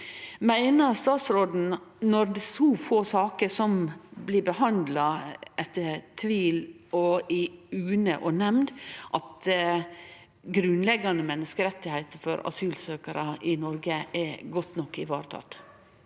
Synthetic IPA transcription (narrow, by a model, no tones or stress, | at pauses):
mæɪnəɾst̪ɑːt̪sɾoːd̪n̩nɔɾd̪ɛsɔfoːsɑːkəsɔmblɪbəhɑnd̪lɑɛt̪ːət̪ʰʋiːlɔɪʉːnə̰ʔɔnɛmnd̪ʔɑt̪ | ɡɾʉnlɛɡːɑnəmɛnːəskəɾɛt̪ːɪhæɪt̪əfɔ̰ɾɑ̰syːlsøːkəɾʔəʔɪnɔɾɡəɛɡɔt̪nɔkːɪʋɑ̰ːɾt̪ʰɑ̰t̪